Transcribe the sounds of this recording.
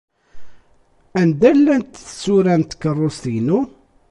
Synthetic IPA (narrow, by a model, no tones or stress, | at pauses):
ænd̪ælːænt̪θə̥sːuɾænt̪kːərˤːost̪jnu